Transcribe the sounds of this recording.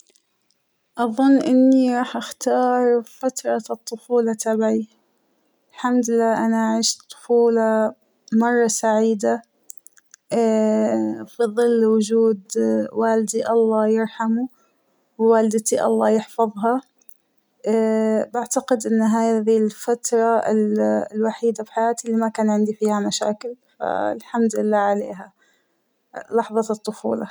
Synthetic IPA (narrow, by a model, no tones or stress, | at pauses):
ʔɑðˤʊnːʔɪnːiɾˤɑːħʔaxt̪ɑːɾˤfat̪ɾˤɑt̪ˤːʊfuːlɑt̪ʰabʕi | ɪlħamd̪ɪlːaːʔanaʔʕiːʃt̪ˤːʊ̥fuːlɑ | mɑrˤːɑsaʕiːd̪a | fiðˤɨlːwʊd͡ʒuːd̪waːld̪iʔɑlˤːɑːjɪɾħamu | wwaːlɪd̪ɪt̪iʔɑ̰lˤːɑːjɪħfɑðˤɦɑ | baʕt̪aqɪd̪ʔɪnːɦaːjðilfat̪ɾˤɑɪ̰llwaħiːd̪abħajaːt̪ilːiːmakaːnʕɪnd̪ifiːhamaʃa̰ːkɪlfa̰ɪ̰lħamd̪ɪlːaːʕalḛːɦa | lɑħðˤɑt̪ˤːʊfṵːlɑ̰